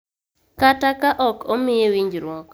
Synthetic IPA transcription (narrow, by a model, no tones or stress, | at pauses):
katakaʔɔkomɪjewiɲd͡ʒɾwɔk